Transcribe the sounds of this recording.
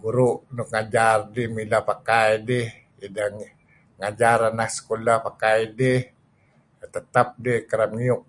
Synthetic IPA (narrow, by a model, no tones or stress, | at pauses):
ɡuɾuʔnukŋad͡ʒardimilapakajdih | idaŋ | ŋad͡ʒaɾanahsə̥kolahpakajdih | t̪ət̪ap̚dihkəɾamŋiʊk̚